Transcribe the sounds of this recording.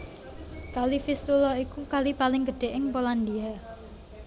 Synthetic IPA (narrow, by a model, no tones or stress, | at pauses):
kalifist̪ulɔikukalipalɪŋɡəɖ̥e̤ʔɪŋpoland̪ia